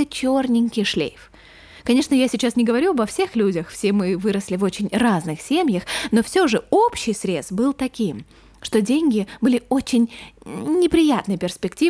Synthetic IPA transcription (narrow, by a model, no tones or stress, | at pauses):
ət͡ɕornʲɪnʲkʲɪjʂlʲḛjf | kɐnʲe̞ʂnəjasʲɪt͡ɕasnʲɪɡəvɐɾʲuɐbɐfsʲe̞xlʲudʲəxfsʲemɨvɨɾəsʲlʲɪvo̞t͡ɕɪnʲraznɨxsʲemʲjəxno̞fsʲoʐɨopɕɪjsɾʲe̞t̪st̪bɨlˠt̪ɐkʲim | ʂt̪o̞dʲenʲɡʲɪbɨlʲɪot͡ɕɪnʲnʲɪpɾʲɪjat̪nəjpʲɪrspʲɪktʲi